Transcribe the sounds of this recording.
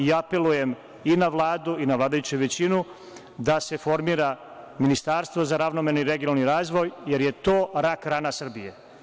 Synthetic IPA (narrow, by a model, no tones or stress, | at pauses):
iape̞luje̞m | inaʋlˠaːd̪uinaʋlˠaːd̪ajut͡ɕuʋe̞t͡ɕinu | d̪ase̞fo̞ɾmiːɾaminist̪aɾst̪ʋo̞zaɾaʋnomeniɾeɡinalniɾaːzʋo̞jje̞ɾje̞t̪o̞ːɾakɾaːnasr̩bije